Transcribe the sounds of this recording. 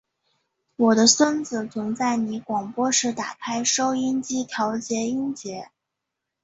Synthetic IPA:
wɔ˨˩d̪ə˦swə˥nt͡sɹ̩˨˩t͡sʰʊ˧˥ŋt͡sa˥˩ɪni˧˥kwɑ˨˩ŋpwɔ˥ʂɻ̩˥˩t̪a̰˨˩kʰa˥ɪʂo˥ʊi˥nt͡ɕi˥t̪ʰjɑ˧˥ʊt͡ɕjɛ˧˥i˥nt͡ɕjɛ˧˥

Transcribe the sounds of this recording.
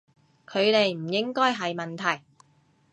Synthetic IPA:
kʰɵ˨˧ɥle˨jm̩˨˩jɪ˥ŋkɔː˥jɦɐ˨jmɐ˨nt̪ʰɐ˨˩j

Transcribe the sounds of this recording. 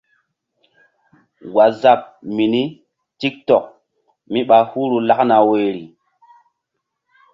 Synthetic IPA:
wa˨za˨p̚mi˨ni˦ | ti˦k̚tɔ˨k̚ | mi˦ɓa˨hu˦ɾu˨la˦kna˨we˨ɾi˨

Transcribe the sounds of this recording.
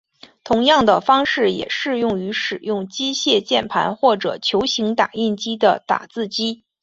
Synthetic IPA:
t̪ʰʊ˧˥ŋjɑ˥˩ŋd̪ə˩fɑ˥ŋʂɻ̩˥˩jɛ̰˨˩ʂɻ̩˥˧jʊ˥˩ŋy˧˥ʂɻ̩˨˩jʊ˥˩ŋt͡ɕi˥ɕjɛ˥˧t͡ɕjɛ˥˩npʰa̰˧˥nxwɔ˥˩ʈ͡ʂɤ̰˨˩t͡ɕʰjo˧˥ʊɕi˧˥ŋt̪a̰˨˩i˥˩nt͡ɕi˥d̪ə̰˨t̪a̰˨˩t͡sɹ̩˥˩t͡ɕi˥

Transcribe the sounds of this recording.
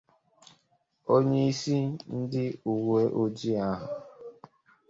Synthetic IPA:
o˦ɲe˦i˦si˦n̩˦dɪ˦u˨we˦ʔo˦d͡ʒi˦a˦ɦʊ˨

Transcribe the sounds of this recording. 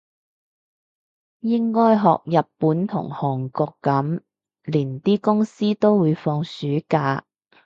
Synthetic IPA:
jɪ˥ŋkɔː˥jɦɔ̰ː˨k̚jɐ˨pːuː˨˥nt̪ʰʊ̰˨˩ŋhɔː˨˩ŋkɔː˧kːɐ˨˥m | liː˨˩nt̪iː˥kʊ˥ŋsiː˥t̪o˥wwuː˨˧jfɔː˧ŋsyː˨˥kaː˧

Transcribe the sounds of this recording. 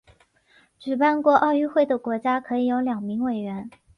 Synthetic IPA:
ʈ͡ʂy˨˩pa˥˧nkwɔ˥˧ʔɑ˥˧ʊy˥˧xwe˥˩ɪd̪ə˩kwɔ˧˥t͡ɕja˥kʰɤ˧˥i˨˩jo˧˥ʊljɑ˨˩ŋmi˧˥ŋwe˨˩ɪɥɛ˧˥n

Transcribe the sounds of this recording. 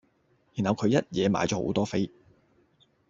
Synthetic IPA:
jiː˨˩nɐ˨˧wkʰɵ˨˧ɥjɐ˥t̚jɛː˨˧ma̰ː˨˧jt͡ʃɔː˧˥o̰˨˧˥wt̪ɔː˥fe˥j

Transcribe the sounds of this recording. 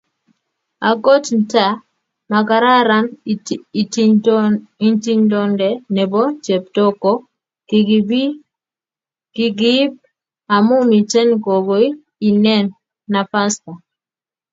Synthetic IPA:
a˨ko˦tn̩˦ta˨ | ma˨ka˨ɾa˦ɾa˦m˨ | i˦nti˦ɲdɔ˦ndɛ˨nɛ˨bɔ˦t͡ʃɛ˨p̚dɔ˦kɔ˦ | kɡbi˦ | ki˦ɡi˦b̚ | a˨mu˦mi˨t͡ʃɛ˦nko˨ɡo˨˦i˦ | i˨nɛ˦nː | a˨pa˦sta˨

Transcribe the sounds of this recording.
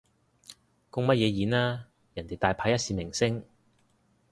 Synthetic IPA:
kʊ˥ŋmɐ˥t̚jɛː˨˧jiː˨˧naː˥ | jɐ˨˩nt̪e˨jt̪aː˧jpʰaː˧˥jɐ˥t̚siː˧mɪ˨˩ŋsɪ˥ŋ

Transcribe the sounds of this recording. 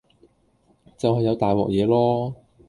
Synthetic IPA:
t͡sɐ˨whɐ˨jːɐ˨˧wt̪aː˨jwɔ̰ː˨k̚jɛː˨˧lɔː˥

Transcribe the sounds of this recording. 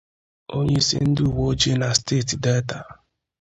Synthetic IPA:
o˦ɲe˦sɪ̰˦n̩˦dɪ˦u˨wo˦d͡ʒe˦na˨steː˦˨tdɛ˦ta˨

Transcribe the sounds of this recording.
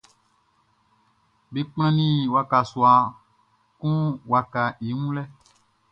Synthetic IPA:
be˨k͡pã˦nĩ˦˨wa˨ka˨swa˨ | kũ˦wa˨ka˨i˨˦ŋũ˦lɛ˦

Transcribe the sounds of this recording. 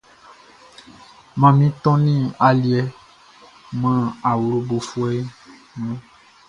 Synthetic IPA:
mã˨mĩ˦t̪ɔ̃˦nĩ˦a˨li˨ɛ˦ | mã˦a˨wu˨˦lo˦bo˨fu˦ɛ˦ | nũ˦

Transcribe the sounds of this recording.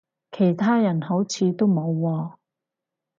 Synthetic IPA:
kʰe˨˩jt̪ʰaː˥jɐ˨˩nho˨˥wt͡sʰiː˨˧t̪o˥wmo˨˧wːɔː˧

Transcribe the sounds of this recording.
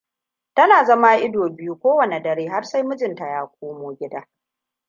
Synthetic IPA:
tɐ˦naː˨zɐ˦ma˦ʔɪ˦doː˨bɪ˦ju˦kʷoː˦wɐ˨ne˨dɐ˨ɾeː˦ɦa˦rsa˦jmʊ˦d͡ʒɪ˨nta˨jaː˦kʷʰoː˦moː˨ɡʲɪ˦daː˦

